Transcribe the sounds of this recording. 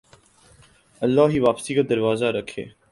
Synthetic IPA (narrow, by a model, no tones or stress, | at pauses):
əlːaːɦiːʋaːpsiːkaːd̪əɾʋaːzaːɾəkʰḛː